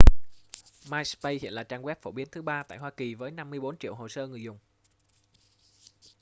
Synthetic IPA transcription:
maː˧jspə˧jhḭ˧˨ənlaː˨˩t͡ɕaː˧nɣwɛ˦˥p̚fo˧˩ɓi˨˦ənt̪ɨ˨˦ɓaː˧t̪a̰ː˧˨jɦwaː˧ki˨˩vəː˨˦jna˧mːɨ˧əjɓo˨˦nt͡ɕḭ˧˨əwɦo˨˩səː˧ŋɨ˨˩əjzʊ˨˩ŋ͡m

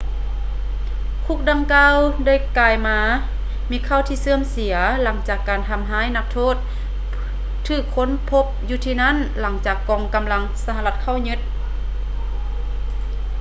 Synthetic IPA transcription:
kʰu˧˩k̚da˧ŋkaː˧˨wda˥˩jkaː˧˩jmaː˧˥ | miː˧˥kʰaː˧˩wt̪ʰiː˧˩sɯ˧əmsi˨˩˦ɐla˩˦ŋt͡ɕaː˨˩kːaː˨˩nt̪ʰa˧˩mɦaː˧˥˨jna˧˥k̚t̪ʰoː˥˩t̪̚ | ɯː˧˩kʰːo˧˥˨npʰːo˧˥p̚juː˧t̪ʰiː˧na˥˨nla˩˦ŋt͡ɕaː˨˩kːɔː˨˩ŋka˨˩mla˧˥ŋsa˧ha˧˨la˧˩t̪̚kʰa˧˥˩wɲɯ˧˥t̪̚

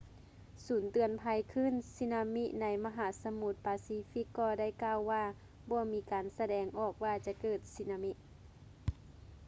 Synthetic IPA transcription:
suː˨˦nt̪ɯ˨˧˩ənpʰa˧jkʰɯ˧˥˨nsi˧˥naː˧mi˧˥ʔna˧˦jma˧ɦaː˨˦sa˧mu˧˥t̪̚paː˨˦siː˧˦fi˧˥˩kːɔː˧da˥˨jkaː˧˨wːaː˧ | bɔː˧˦miː˧kaː˨nsa˧dɛː˨˧ŋʔɔː˨˩k̚waː˧t͡ɕa˧kɤː˧˩t̪̚si˧˩naː˧mi˧ʔ

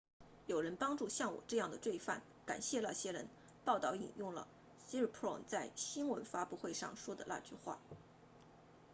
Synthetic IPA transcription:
jo˨˩ʊɻə˧˥npɑ˥ŋʈ͡ʂu˥˧ɕjɑ˥˩ŋwɔ̰˨˩ʈ͡ʂɤ˥˧jɑ˥˩ŋd̪ə˩t͡swe˥˧ɪfa̰˥˩n | ka̰˨˩nɕjɛ˥˧la˥˩ɕjɛ˥ɻə˧˥n | pɑ˥˧ʊt̪ɑ˥˩ʊḭ˨˩njʊ˥˩ŋlə̰˩ | si˥ɻ̩˥˩pʰɹɔ˥˩nt͡sa˥˩ɪɕi˥nwə˧˥nfa˥pu˥˧xwe˥˧ɪʂɑ˥˩ŋʂwɔ˥d̪ə̰˨la̰˥˧t͡ɕy˥˧xwa̰˥˩

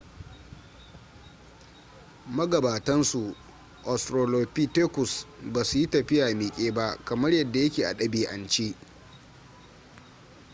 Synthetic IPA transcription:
mɐ˦ɡɐ˨baː˨tɐ˦nsu˨ | ʔɔ˨stɾoː˨loː˨piː˦teː˦kʷʊ˨sbaː˨su˨ji˦tɐ˨ɸɪ˦jaː˨miː˨kʲʼeː˦ba˦ʔkɐ˨mɐ˦rjɐ˨dːa˨jɐ˦kʲeː˨ʔa̰˨ɗɐ˦biː˦ʔa˨nt͡ʃiː˦

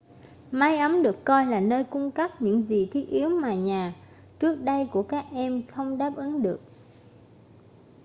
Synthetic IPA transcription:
maː˨˧jʔa˨˦mɗɨ˨˩əkːɔ˧jlaː˨˩nəː˧jkʊ˧ŋ͡mkə˦˥p̚ɲɨ̰˧˥ŋzi˨˩t̪ʰi˦˥ət̚ʔi˨˦əwmaː˨˩ɲaː˨˩ | t͡ɕɨ˦˥ək̚ɗə˧jku˧˩əkaː˦˥k̚ʔɛ˧mxə˧wŋ͡mɗaː˦˥p̚ʔɨ˨˦ŋɗɨ˨˩ək̚

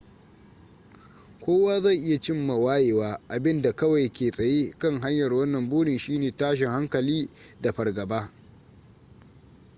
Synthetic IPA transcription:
kʷoː˦waː˦zɐ˦˨ŋʔɪ˦ja˨t͡ʃɪ˦mːa˨waː˦jeː˨waː˦ʔa˨bɪ˦nda˨kɐ˦wa˨jkʲeː˨sʼɐ˨jeː˦kɐ˦ŋɦa˦ɲjɐ˨rwɐ˦nːɐ˨mbuː˦ɽɪ˨nʃiː˦neː˨taː˦ʃ̬ɪ˨ŋha˦ŋkɐ˨liː˦ | da˨ɸɐ˨rɡɐ˨baː˦

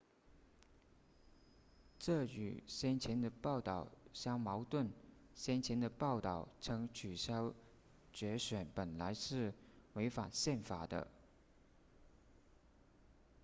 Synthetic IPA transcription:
ʈ͡ʂɤ˥˩y̰˨˩ɕjɛ˥nt͡ɕʰjɛ˧˥nd̪ə˧pɑ˥˩ʊt̪ɑ˥˩ʊɕjɑ˥ŋmɑ˧˥ʊt̪wə˥˩nɕjɛ˥nt͡ɕʰjɛ˧˥nd̪ə˧pɑ˥˧ʊt̪ɑ˥˩ʊt͡sʰɤ˧˥ŋt͡ɕʰy˨˩ɕjɑ˥ʊ | t͡ɕɥɛ˧˥ɕɥɛ˨˩npə˨˩nla˧˥ɪʂɻ̩˥˩we˧˥ɪfa̰˨˩nɕjɛ˥˩nfa˨˩d̪ə̰˦

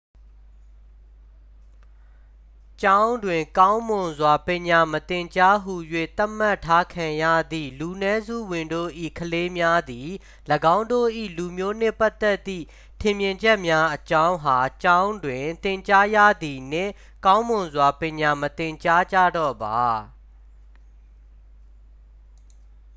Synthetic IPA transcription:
t͡ɕã˦ʊ̃ndwɪ̃˨ŋkã˦ʊ̃mõ˨nzwa˨pjɪ̃˨ɲa˨mət̪ɪ̃˨ɲt͡ɕa˦ɦu˨jwḛ˦˨t̪a˦ʔm̥a˦tʰːa˦kʰã˨jä̰˦˨d̪ḭ˦˨lu˨nɛ˦zṵ˦˨wɪ̃˨ndo̰˦˨ʔḭ˦˨kʰəle˦mja˦d̪i˨ | ləɡã˦ʊ̃ndo̰˦˨ʔḭ˦˨lu˨mjo˦n̥ɪ̃˦˨pa˦t̪ːɛ˦t̪ːḭ˦˨ | tʰɪ̃˨mjɪ̃˨ɲd͡ʑɛ˦ʔmja˦ʔət͡ɕã˦ʊ̃ɦa˨t͡ɕã˦ʊ̃ndwɪ̃˨t̪ɪ̃˨ɲt͡ɕa˦jä̰˦˨d̪i˨n̥ɪ̰̃˦˨ | kã˦ʊ̃mʊ̃˨zwa˨pɪ̃˨ɲa˨mət̪ɪ̃˨ɲt͡ɕa˦d͡ʑa̰˦˨dɔ̰˦˨ba˨

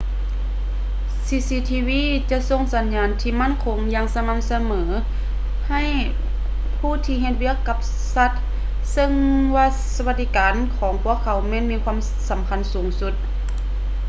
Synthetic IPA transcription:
siː˧siː˧˥t̪ʰiː˧wiː˧˥˨t͡ɕa˧ʔso˧˨ŋsa˨˦nɲaː˨˧˦nt̪ʰiː˧ma˥˨nkʰo˧˦ŋjaː˧ŋsa˧ma˧˥msa˧mɤː˩˦ | ha˧˩˨j | pʰuː˧˥˩t̪ʰiː˧ɦe˧t̪̚wi˧˥˩əkːa˧p̚ | sa˧˦t̪̚ | sɤ˧ŋwaː˧ | sa˧wa˧t̚d̪i˧˥kaː˨˦nkʰɔː˨˦ŋpʰu˧˥˨əkʰːa˨˦wmɛː˧˨nmiː˧˥kʰwa˧˥˨m | sa˨˦mkʰa˧˥nsuː˨˩˦ŋsu˧˦t̪̚

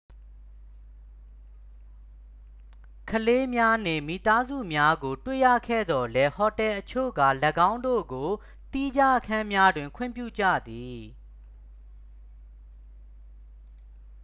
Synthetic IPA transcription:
kʰəle˦mja˦n̥ɪ̰̃˨mi˨t̪a˦zṵ˦˨mja˦ɡo˨twḛ˦˨jä̰˦˨kʰɛ̰˦˨d̪ɔ˨lɛ˦hɔ˨tɛ˨ʔət͡ɕʰo̰˦˨ɡa̰˦˨lə˨ɡã˦ʊ̃ndo̰˦˨ɡo˨ | t̪i˦d͡ʑa˦ʔəkʰã˦mja˦dwɪ̃˨ŋkʰwɪ̰̃˦˨mpjṵ˦˨d͡ʑä̰˦˨d̪i˨

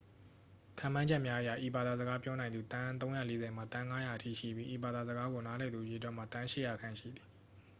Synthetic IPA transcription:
tʰã˨m̥ã˦d͡ʑɛ˦ʔmja˦ʔə˨ja˨ʔi˨ba˨d̪a˨zə˨ɡa˦pjɔ˦nã˨ɪ̃nd̪u˨t̪ã˦t̪õ˦ʊ̃ja̰˦˨le˦zɛ˨m̥a˦˨t̪ã˦ŋa˦ja˨ətʰḭ˦˨ʃḭ˦˨bji˦ʔi˨ba˨d̪a˨zə˨ɡa˦ɡo˨na˦lɛ˨d̪u˨je˨twɛ˦ʔm̥a˦˨t̪ã˦ʃɪ̰˦˨ja˨kʰã˦˨ʃḭ˦˨d̪ði˨

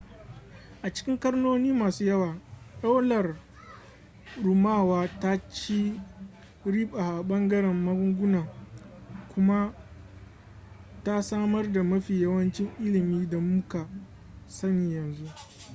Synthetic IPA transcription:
ʔa˨t͡ʃɪ̥˦kʲɪ˦ŋkɐ˦rnoː˦niː˦maː˨suː˦jɐ˦waː˨ɗa˦wlɐ˨r | ɾʊ˨maː˦˨waː˦ta˦t͡ʃi˦ | ɽiː˦ɓaː˨ʔa˨ɓɐ˦ŋɡɐ˦ɽɛ˨mːɐ˦ɡʊ˦ŋɡʷʊ˦naː˨ | kʷʊ˦ma˦ | ta˦saː˦mɐ˦rda˨mɐ˦ɸiː˨jɐ˦wɐ˦nt͡ʃɪ˦ŋʔɪ˦lɪ˨miː˦da˨mʊ˦ka˨ | sɐ˦ni˨jɐ˨nzu˦ʔ

